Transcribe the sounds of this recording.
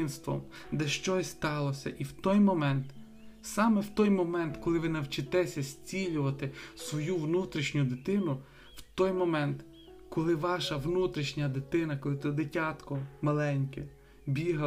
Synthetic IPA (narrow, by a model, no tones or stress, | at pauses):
ɪnst̪ʋɔ̰m | d̪ɛʃt͡ʃɔsʲst̪ɑlˠɔsʲɐ̰ʔiwt̪ɔjmɔmɛnt̪ | sɑmɛwt̪ɔjmɔmɛnt̪kɔlˠɪʋɪnɐwt͡ʃɪt̪ɛsʲɐsʲt͡sʲilʲʊʋɐt̪ɪsʋɔjuwnut̪ɾʲiʃnʲʊd̪ɪt̪ɪnʊ | w̥t̪ɔjmɔmɛnt̪ | kɔlˠɪʋɑʃɐʋnut̪ɾʲiʃnʲɐd̪ɪt̪ɪnɐkɔlˠɪt̪d̪ɪtʲɑt̪kɔmɐlˠɛnʲkɛ | bʲiɦɐ